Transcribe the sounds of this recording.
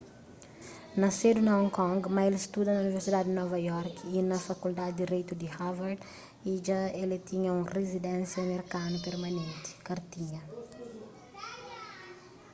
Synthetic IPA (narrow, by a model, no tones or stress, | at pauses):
nɐsed̪unɐɔ̃ŋkɔ̃ŋɡmɐelst̪ud̪ɐnɐuniveɾsid̪ad̪inɔvɐjɔɾkinɐfɐkuld̪ad̪d̪iɾejt̪ud̪ihavaɾd̪ | iʒaelet̪iɲɐũrezid̪ɛ̃nsjɐmeɾkanupeɾmɐnẽnt̪i̥kɐɾt̪iɲɐ